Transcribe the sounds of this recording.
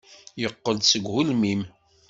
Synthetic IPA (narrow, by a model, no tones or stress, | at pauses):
jəqːəld̪səɡhulmim